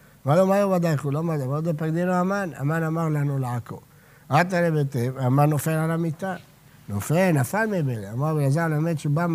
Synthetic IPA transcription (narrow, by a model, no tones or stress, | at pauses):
majomajobad̪ajkulomadamaod̪ep̬aɡd̪inoamana̰manamaʁlanulaako̰ | at̪̬aɾebet̪evamanːofelalamit̪a | nofelnafalmebeleamaʁbelazalamet̪t͡ʃubam